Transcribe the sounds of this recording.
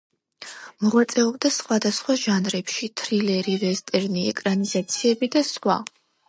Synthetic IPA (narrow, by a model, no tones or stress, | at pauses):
mɔʁwat̪sʼɛɔb̚d̪asχwad̪asχwaʒanɾɛpʃit̪ʰɾilɛɾiɾɛst̪ʼɛɾniɛkʼɾanizat̪sʰiɛbid̪aswa̰